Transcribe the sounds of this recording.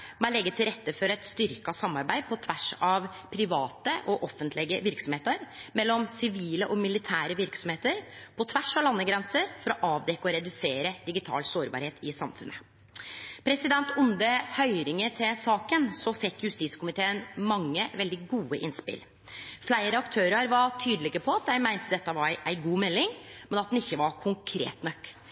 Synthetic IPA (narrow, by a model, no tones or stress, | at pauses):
mælɛɡːət̪ʰɪlɾɛt̪ːəfɔɾɛt̪st̪ʏɾkɑsɑmːɑɾbæɪpʰɔt̪ʰʋæʂɑʋ | pʰɾɪʋɑːt̪əʔɔʔɔfːənt̪ʰlɪɡəʋɪɾksɔmheːt̪əɾmɛlːɔmsɪʋiːləʔɔmɪlɪt̪ʰæːɾəʋɪɾksɔmheːt̪əɾpʰɔt̪ʰʋæʂɑʋlɑnːəɡɾɛnsəɾfɔɾɔʔɑːʋd̪ɛkːəɔɾɛd̪ʉseːɾəd̪̥ɪɡɪt̪ʰɑ̰ːlsoːɾbɑ̰ɾheːt̪ɪsɑmfʉ̰nʔə | pʰɾɛsɪd̪ɛnt̪ʊnd̪əhœʏɾɪŋət̪ʰɪlsɑːkənsɔfɛkːjʉst̪iːskʊmɪt̪ʰeːənmɑŋːəʋɛld̪ɪɡuːəʔɪnspɪ̰l | flæɪɾəɑkt̪ʰøːɾəɾʋɑʈ̪ʰyːd̪lɪɡəpʰɔɑt̪̚d̪æɪmæɪnt̪əd̪ɛt̪ːəʋɑʔæɪɡuːmɛlːɪŋmɛnɑt̪̚d̪nɪçːəʋɑɾkʰʊŋkʰɾḛːt̪nœkː